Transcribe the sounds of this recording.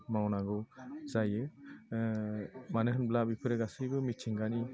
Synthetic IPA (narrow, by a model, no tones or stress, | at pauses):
mawnaɡɔwzajɯ | manɯɦɯnblabipʰɯɾɛɡasɯjbɯmit̚t͡ʃʰiŋɡani